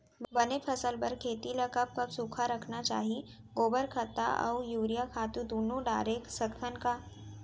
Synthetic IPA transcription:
bɐnepʰɐsəlpɐɾkʰeːt̪ilɐkɐp̚kɐbsuːkʰaɾɐkʰnat͡ʃa̰ːɦi | ɡoːbəɾkʰət̪ːa̰ʔɔ̰ːjuːɾijakʰaːt̪ũd̪oːnoɖa̰ːɾeːksəkt̪ʰənkaː

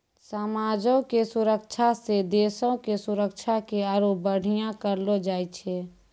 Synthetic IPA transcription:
səmaːd͡ʒõkesʊɾəkt͡ʃʰased̪eːsõkesuɾəkt͡ʃʰakeaːɾoːp̚bəɽ̤ijãkəɾlod͡ʒaːit͡ʃʰe

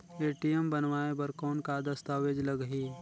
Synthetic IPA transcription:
eːʈijembənʋaːebɐɾkɔːnkad̪ɐst̪aːʋeːd͡ʒlɐɡɦiː

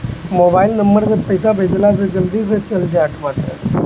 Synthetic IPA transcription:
moːbaːɪlnɐmbəɾsẽpɐɪsabʱeːd͡ʒlas̬ed͡ʒɐld̪is̬et͡ʃɐld͡ʒaːʈmaːʈe

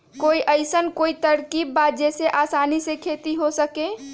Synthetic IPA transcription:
koːiʔəɪsənkoːit̪əɾkiːbːaːt̪̚d͡ʒɛseʔaːsaːnisekʰeːt̪iɦosəkẽ

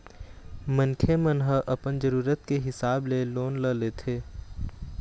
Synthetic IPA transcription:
mənkʰemənɦəʔɐpənd͡ʒəɾuːɾət̪̚keɦɪsaːbleloːnləleːt̪ʰeː

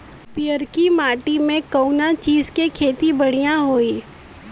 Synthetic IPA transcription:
pɪjəɾkimaːʈimẽkəʊnat͡ʃiːzkekʰeːt̪ibəɽ̤ijãɦoːiː

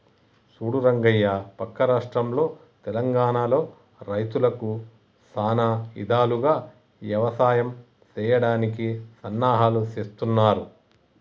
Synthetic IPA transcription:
suːɽuɾɐŋɡɐjːapɐkːɐɾaːʂʈɾɐmlo̞ː | t̪ɛlɐŋɡaːɳaːlo̞ː | ɾɐjt̪ulɐku | saːnaḭd̪ʱaːluɡaː | ʋjɐʋɐsaːjɐm | t͡ʃɛːjɐɽaːnikisɐnːaːɦaːluseːst̪unːaːɾu

